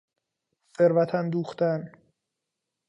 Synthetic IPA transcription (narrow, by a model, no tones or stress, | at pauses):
se̞ɾvæt̪ʰænd̪uːxt̪æn